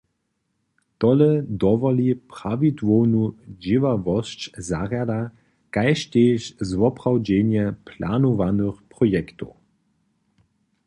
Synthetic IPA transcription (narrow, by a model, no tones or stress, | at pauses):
t̪ɔlɛd̪ɔvɔlipʁ̥avit̪vownud͡ʒivavɔʃt͡ɕzaʁjad̪a | kajʃteːʃzʋɔpʁ̥awd͡ʑɛnjɛpʰlanuvanøxpʁ̥ɔjɛkt̪o